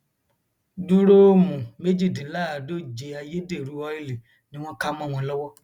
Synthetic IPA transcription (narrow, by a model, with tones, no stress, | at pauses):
du˦ɾo˦mũ˨me˦d͡ʒi˦˨dĩ˨la˦˨do˦d͡ʒe˧a˧je˦de˦˨ɾu˨˦ɔ˧˦e˦˨li˨ | nĩ˦w̃ɔ̃˦ka˦mɔ̃˦˨w̃ɔ̃˧lɔ˦wɔ˦